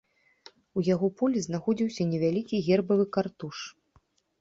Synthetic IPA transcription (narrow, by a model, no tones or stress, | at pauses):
ujaɣɔpulʲiznaxɔd͡zʲiwsʲɐnʲɛvʲalʲikʲiɣʲɛrbɐvɨkart̪uʂ